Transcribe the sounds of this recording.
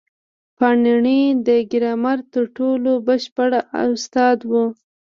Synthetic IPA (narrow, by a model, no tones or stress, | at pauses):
pɑniɳid̪əɡɪɾɑmaɾt̪əɾʈolobəʃpaɽaa̰st̪ɑd̪wu